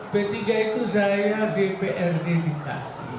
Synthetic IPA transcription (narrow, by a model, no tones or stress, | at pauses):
bet̪iɡait̪uzajadepeʔɛrdedit̪a̰